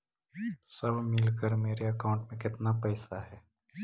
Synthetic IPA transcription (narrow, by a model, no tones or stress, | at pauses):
sɐbʱmɪlkəɾmeːɾeɐkaːʊ̃ɳʈmẽkɪt̪napɛːsaɦɛː